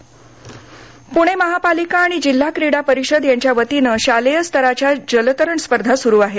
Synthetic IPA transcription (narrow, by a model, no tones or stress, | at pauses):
puɽ̃eməɦapalikaːɽ̃id͡ʑil̤ːakɾiɽapəɾiɕəd̪jaɲt͡ɕjaʋət̪inəɕalejəst̪ʰəɾat͡ɕjad͡ʑələt̪əɾəɳspəɾd̪ʱasuɾuːaɦe